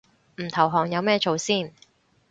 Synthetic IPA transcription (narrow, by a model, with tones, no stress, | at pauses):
m̩˨˩t̪ʰɐ˨˩wɦɔː˨˩ŋjɐ˨˧wmɛː˥˧t͡ʃo˨˧wsiː˥˩n